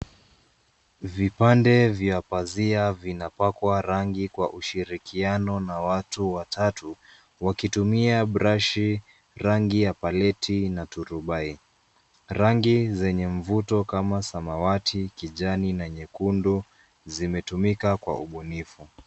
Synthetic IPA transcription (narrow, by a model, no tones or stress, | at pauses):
vipandɛvjapaziavinapakwaɾaŋɡikwaʔuʃiɾikianɔnawatuwatʰatu | wakitumiaɓɾaʃi | ɾaŋɡijapalɛtʰinatuɾuɓai | ɾaŋɡizɛɲɛɱ̩vutɔkamasamawatʰikiʄaninaɲɛkundu | zimɛtumikakwa̰uɓunifu